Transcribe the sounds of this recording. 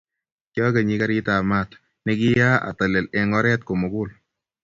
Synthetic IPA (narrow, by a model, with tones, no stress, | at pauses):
kjɔ˦ke˨ɲi˨˦ka˦ɾɪ˦ta˨ma˦˨t̪ | nɛ˦ɡɪ˦ja˦a̰˨t̪a˨le˨lɛ˨ŋɔ˦ɾɛ˦t̚ko˨mo˨ɡʊ˦l